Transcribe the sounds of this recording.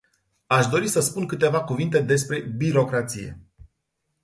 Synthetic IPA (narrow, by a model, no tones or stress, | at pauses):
aʃd̪o̞ɾisəspunkɨt̪e̞vakuvint̪e̞d̪e̞spɾe̞biɾo̞kɾat̪sije̞̰